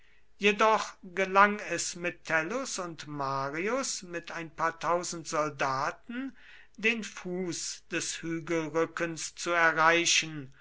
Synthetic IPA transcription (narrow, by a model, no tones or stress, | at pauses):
jedɔχɡ̥əlaŋɛsmɪtʰːɛlʊsʊntmaːʁiʊsmɪtaɪnpaːɐtʰaʊzn̩tz̥ɔldaːtn̩ | deːnfuːsd̥ɛshyːɡəl̩ʁʏkənst͡suɛɐʁaɪʃən